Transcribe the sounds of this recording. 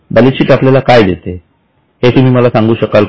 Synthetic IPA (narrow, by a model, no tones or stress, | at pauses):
bəliɕiːʈapljalakajd̪et̪e | het̪um̤iːməlasãŋɡuːɕəkal